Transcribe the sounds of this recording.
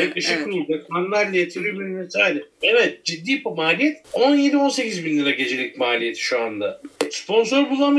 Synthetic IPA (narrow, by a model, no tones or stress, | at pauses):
akt̪ʰeʃɛkʲːyɾolˠd͡ʒak̪ʰanɯlˠaɾlˠajet̪ʰiɾimʲiɾmesaːlʲɛevɛt̪̚d͡ʒid̪ːiːpomaːlʲijɛt̪o̞njed̪io̞nse̞cʰizbinlːʲˠiɾaɟe̞d͡ʒe̞lʲicʲmaːlʲije̞t̪ʰi̥ʃuand̪aspʰo̞nso̞ɾbulˠam